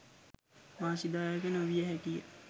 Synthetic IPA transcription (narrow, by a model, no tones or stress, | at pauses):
ʋaːsid̪aːjəkənoʋijəɦɛkijə̰